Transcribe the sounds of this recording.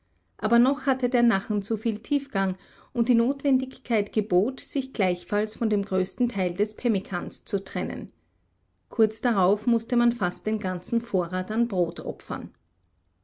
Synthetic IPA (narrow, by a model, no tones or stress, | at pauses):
ʔaːbɐnɔχhatədeːɐnaχn̩t͡sufiːltʰiːfɡ̥aŋ | ʔʊnt̚d̥iːnoːtv̥ɛndɪçkʰaɪtɡ̥əboːtz̥ɪçɡ̥laɪçfalsfɔndeːmɡʁøːstn̩tʰaɪldɛspʰɛmɪkʰanst͡sutʁ̥ɛnə̰n | kʰʊɐt͡sd̥aʁaʊfmʊstəmanfast̚d̥eːnɡant͡sn̩foːɐʁaːtanbʁoːtʔɔ̰pfɐ̰n